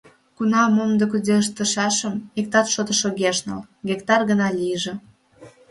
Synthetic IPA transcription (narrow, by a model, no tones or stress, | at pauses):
kunɑmomd̪əkud̪eəʃt̪əʃɑʃəmik̚t̪ɑt̪ʃot̪ə̆ʃoɣeʃnɑ̰l | ɡekt̪ɑrɣənɑlʲijəʒĕ